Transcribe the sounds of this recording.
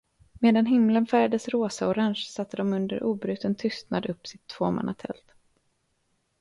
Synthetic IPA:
meːd̪an̪ɦɪmlənfæɾjad̪əsɾoːsaɔɾaŋʃsat̪ʰːəd̪ɔmɵnd̪əɾʔuːbɾʉ̟ːt̪ənt̪ʰʏst̪nad̪ɵpːsɪt̪ʰːv̥oːma̰na̰t̪ʰɛ̰lt̪

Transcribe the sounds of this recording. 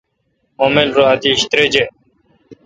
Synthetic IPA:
oːmelɾoat̪iɕt̪ɾed͡ʑe

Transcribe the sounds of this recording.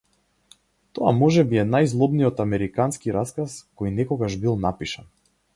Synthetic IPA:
t̪ɔa̰mɔʒɛbiɛnajzlˠɔbnijɔt̪amɛɾikanskiɾaskaskɔjnɛkɔɡaʒbilˠnapiʃan

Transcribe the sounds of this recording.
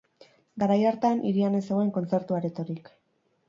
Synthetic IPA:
ɡaɾajaɾt̪anʔiɾiane̞seɣoe̞ŋko̞nt͡se̞ɾt̪uaɾet̪o̞ɾik

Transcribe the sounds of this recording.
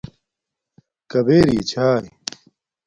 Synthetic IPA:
kɐbeːɾḭːt͡ɕʰaːji

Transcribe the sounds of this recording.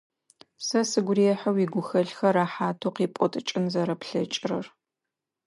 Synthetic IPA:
sɐsɨɡʷʊrijɛħɐwiɡʷʊxɐɮxɐraːħaːtʰoːqiːpʷʼɔtʼɨt͡ʃʼɪnzɐɾɐpɬɐt͡ʃʼɪrɐr

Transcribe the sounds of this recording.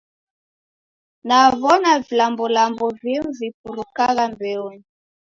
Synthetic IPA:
navɔnavilambɔlambɔvimuvip̚uɾukaɣambɛɔni

